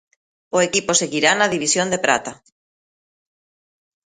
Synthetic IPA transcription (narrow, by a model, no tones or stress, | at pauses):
ʊekiposeɣiɾanaðiβisjond̪epɾa̰t̪a